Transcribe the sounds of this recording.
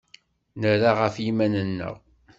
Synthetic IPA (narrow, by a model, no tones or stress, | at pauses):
nəɾaʁəfjimænənːə̰ʁ